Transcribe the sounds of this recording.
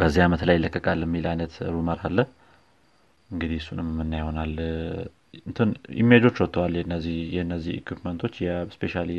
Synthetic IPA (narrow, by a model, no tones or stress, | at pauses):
b̥əzːiamət̪ləjɪlːəkʼːəkʼalːɛmːilʔajnət̪ɾuməɾalːəh | ɨŋɡɨd̪ihɨsunɨmmːɨnːajwɔnal | ɨnt̪ʰɨnʔḭmːed͡ʒo̞t͡ʃːwɔt̪ʰːəwaljɛnːəzːihjɛɨnːəzːihḭkʰwipmənt̪ʰo̞t͡ʃːjɛspe̞ʃali